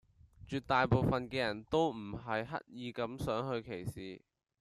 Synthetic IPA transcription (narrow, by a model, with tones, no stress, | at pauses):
t͡ʃyː˨t̚t̪aː˨jpo˨wfɐ˨nkɛː˧jɐ˨˩nt̪o˥wm̩˨˩ɦɐ˨jɦɐ̰˥t̚jiː˨˧kɐ˨˥msœː˨˥ŋɦɵ˧ɥkʰe˨˩jsiː˨